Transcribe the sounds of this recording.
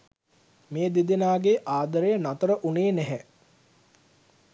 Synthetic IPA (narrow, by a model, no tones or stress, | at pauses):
meːd̪id̪enaːɡeʔaːd̪əɾejənat̪əɾəʔuneːnɛɦɛ